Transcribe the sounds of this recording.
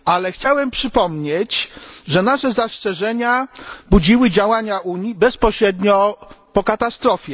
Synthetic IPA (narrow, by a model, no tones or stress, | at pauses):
alɛxt͡ɕawɛmpʂɘpɔmɲet͡ɕʐɛnaʂɛzast͡ʂɛʐɛɲabud͡ʑiwɘd͡ʑawaɲaʔuɲibɛspɔɕɾɛd̪ɲɔpɔkat̪ast̪ɾɔfʲjɛ